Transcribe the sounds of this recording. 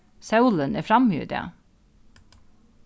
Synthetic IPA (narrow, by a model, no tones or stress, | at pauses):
sɑʉlənʔæːfɾɑmjʉ̰ːd̪ɪ̰ɑ̰